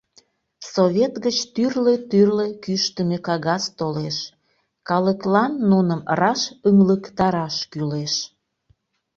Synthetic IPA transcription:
soβʲet̪ɣət͡ɕt̪yrlet̪yrlekyʃt̪əmekɑɣɑst̪oleʃ | kɑləklɑnːunəmrɑʃəŋləkt̪ɑɾɑʃkyleʃ

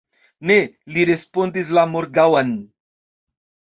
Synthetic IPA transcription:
ne̞liɾe̞spo̞ndis̬lamoɾɡawan

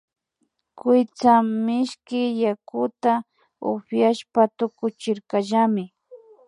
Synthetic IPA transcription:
kʊjt͡samɪʃkɪjakʊt̪a | ʊfjaʃpat̪ʊkʊt͡ʃɪɾkaʒamɪ

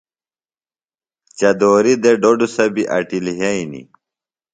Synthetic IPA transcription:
t͡ɕɐd̪oːɾid̪eɖoɖusɐbiʔɐ̰ʈilɦɐinḭ

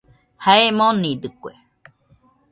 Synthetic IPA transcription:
haemõnĩd̪ɨkʷḛ

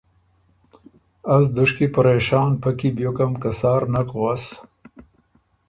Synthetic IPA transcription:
as̬d̪ʊʂkipaɾeʃɑːnpakibjokamkasɑːɾnakɣwas

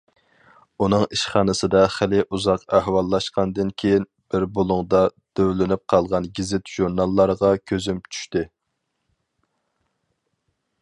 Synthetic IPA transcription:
unɨŋiʃχɑːnɨsɨd̪ɑχælɪʔuzɑqæhwɑlˠːɑʃqɑnd̪ɨnkʲʰejin | b̥ɪɾbolˠʊŋd̪ɑd̪̥øwlɪnɪp̚qʰɑlˠʁɑnɡʲizɪt̪ʒ̥uɾnɑlˠːɑɾʁɑkʲʰøzymt͡ʃʰy̥ʃt̪ɪ

